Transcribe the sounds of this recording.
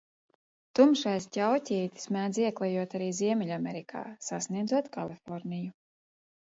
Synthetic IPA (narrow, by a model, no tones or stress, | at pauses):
t̪umʃajscʲawtʲiːt̪i̥smæːd̪ziɛklˠajuɔt̪aɾiːziɛmʲɛʎʲamʲɛɾikʰa̰ːsasniɛd̪zuɔt̪ka̰lˠifɔɾniju